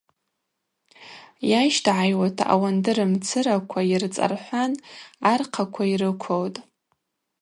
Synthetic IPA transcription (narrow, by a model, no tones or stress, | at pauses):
jajʃtʰʕajwatʰa̰ʔa̰wandɨɾɨmt͡sʰɨɾakʷʰairt͡sʼa̰rħʷanarqʰakʷʰaiɾɨkʷʰowtʼ